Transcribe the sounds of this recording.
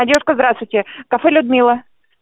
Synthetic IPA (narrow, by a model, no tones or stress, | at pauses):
ɐdʲeʊʂkəzd̪ɾast̪vʊjtʲɪkɐfɛlʲʊd̪mʲilˠə